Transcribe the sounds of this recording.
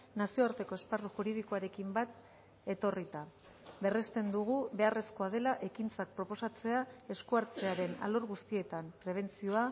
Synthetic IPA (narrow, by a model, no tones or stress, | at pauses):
nasio̞aɾt̪e̞ko̞e̞sparuʝuɾið̞ikoaɾe̞kimbat̪ | e̞t̪o̞rit̪a | βe̞re̞st̪e̞nd̪uɣ̞uβe̞are̞sko̞að̞e̞laʔe̞kint͡sak̚pɾo̞po̞sat͡se̞ae̞skuaɾt͡se̞aɾe̞na̰lo̞ɾɣust̪ie̞t̪ampɾe̞β̞e̞nt͡sio̞a